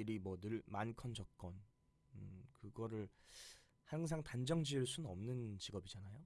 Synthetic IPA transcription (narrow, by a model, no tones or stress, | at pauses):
iɾimwʌnɯɭmankʰʌnd͡ʑʌk̚k͈ʌn | ɯkɯɡʌɾɯɭ | haŋs̬ʰaŋtand͡ʑʌŋd͡ʑiɯɭs͈unnʌmnɯnt͡ɕiɡʌbid͡ʑanajo